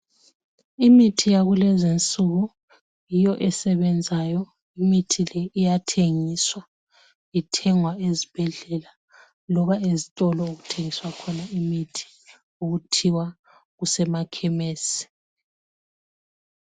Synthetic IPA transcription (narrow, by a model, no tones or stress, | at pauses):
imitʰijaɣulɛzint͡sʼuɣu | jijɔʔɛsɛβɛnd͡zʱajɔ | imitʰilɛijatʰeŋiswa | itʰɛŋwaezib̥ʱɛɮɛla | lɔβaezitʼɔlɔuɣutʰeŋiswakʰɔnaimitʰi̥ | uɣutʰiwa | ɣusɛmakʰɛmeːsi̥